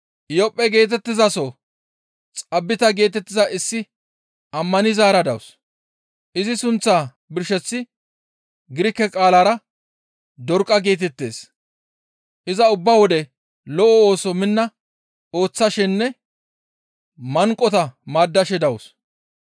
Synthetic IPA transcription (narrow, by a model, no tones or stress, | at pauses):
jɔpʼːɛɡe̞ːt̪̬ɛt̪ːɪzɐsɔ | t͡sʼɐbːɪt̪ɐɡe̞ːt̪ɛt̪ːɪzɐʔɪsːɪ | ɐmːɐnɪzaːɾɐd̪ɐws | ʔɪzɪsʊnt͡sːaː | bɪɾʃɛt͡sːɪ | ɡɪɾɪkːɛkʼaːlaːɾɐ | d̪ɔɾkʼːɐɡe̞ːt̪ɛt̪ːe̞̰ːs | ʔɪzɐʊbːawɔd̪ɛ | lɔʔɔoːsɔmɪnːɐ | o̞ːt͡sːɐʃɪnːɛ | mɐŋkʼːɔt̪ɐmaːd̪ːɐʃɛd̪ɐwʊs